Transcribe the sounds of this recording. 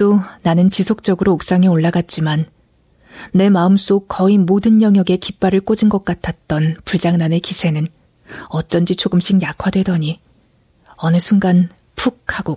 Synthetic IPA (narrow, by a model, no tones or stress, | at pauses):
tonanɯnt͡ɕisʰok̚t͡ɕ͈ʌɡɯɾouk̚s͈aŋe̞oɭːaɡat̚t͡ɕ͈imanː | e̞maɯms͈okʌimodɯnjʌŋjʌɡe̞kip͈aɾɯɭk͈od͡ʑinɡʌk̚k͈atʰat̚t͈ʌnpuɭd͡ʑaŋnane̞kisʰe̞nɯn | ʌtt͡ɕ͈ʌnd͡ʑit͡ɕʰoɡɯmɕ͈ʰiŋjakʰwadwe̞dʌɲi | ʌnɯsʰuŋɡan | pʰukʰaɡo